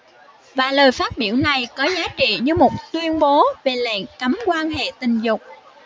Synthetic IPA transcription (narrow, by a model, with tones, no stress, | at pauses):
vaː˨˩ləː˨˩jfaː˦˥t̚ɓi˧˩əwna˨˩jkɔ˨˦zaː˨˦t͡ɕḭ˧˨ɲɨ˧mo˨˩t̚t̪wi˧ənɓo˨˦ve˨˩lɛ̰˧˨ŋka˨˦mkwaː˧nɦḛ˧˨t̪ï˨˩ŋ̟zʊ˨˩k͡p̚